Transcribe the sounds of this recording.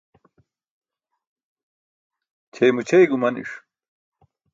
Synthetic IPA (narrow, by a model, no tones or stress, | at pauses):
t͡ɕʰejmut͡ɕʰejɡumɐnḭʂ